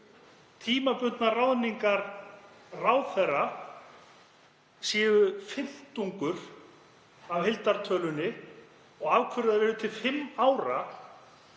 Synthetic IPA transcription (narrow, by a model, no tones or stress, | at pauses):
t̪ʰiːmapʏt̪narawðniŋkaɾ | raːwθɛra | siːɣʏfɪm̥t̪uŋkʏɾ̥ | avhɪlt̪aɾ̥t̪ʰœːlʏnːɪ | ɔɣaːvkʰvʏɾʏðavɛɾʏt̪ʰɪlfɪmːaːwɾa̰